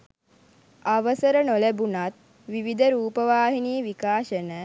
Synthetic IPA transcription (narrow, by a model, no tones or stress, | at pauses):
aʋəsəɾənolebunat̪̚ | ʋiʋid̪əɾuːpəʋaːɦiniəʋikaːʃənə